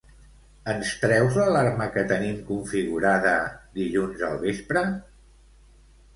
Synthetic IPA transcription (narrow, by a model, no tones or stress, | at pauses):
ənst̪ɾɛwzləlarməkət̪ənimkuɱfiɣuɾaðəd̪iʎunzə̰lˠβespɾə